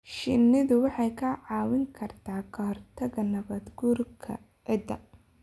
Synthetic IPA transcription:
ʃɪnɪðʊwɑħɑjkʰɐʕɑːwɪŋkʰɐrt̪ʰaːkʰɐhɔrt̪ʰɐɣɐnɐβɐd̪ɡurkʰɐ̰ | ɪd̪ɐ

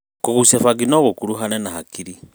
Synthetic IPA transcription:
kukusefaɡinoɣukuluɦanenahakiɾi

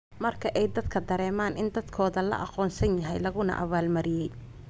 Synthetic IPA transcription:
mɐrkʰɐʔɛjd̪ɐd̪kʰɐd̪ɐɾɛːmaːnɪnd̪ɐd̪kʰɔːðɐlɐ̰ʔɑqɔːnsɐnjɐɦɛjlɐɣʊnɐ̰ʔɐ̰βaːlmɐɾɪjɛj

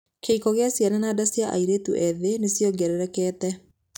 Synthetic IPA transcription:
kʰeikɔɣeasjanɛnadasjaʔa̰iɾetuʔɛðenesjɔɡɛɾɛɾɛkɛːtɛ

